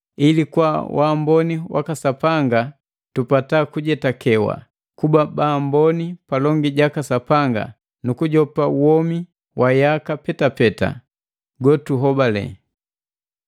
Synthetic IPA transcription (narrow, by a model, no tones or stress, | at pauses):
ilikwawʔambɔniwa̰kasapaŋɡa | tupatakuɟɛtakʰɛwa̰ | kubabambɔnipalɔŋɡiɟakasapaŋɡa̰ | nukuɟɔpauwɔmi | wʔajakapɛtapɛta̰ | ɡɔtuɦɔbalɛ̰